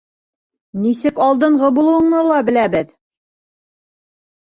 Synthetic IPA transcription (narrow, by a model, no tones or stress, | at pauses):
nisɘkɑlˠd̪ɤ̆ɴʁɤbulˠɤwɤ̆ɴnɤlˠɑbɘ̆læbɘð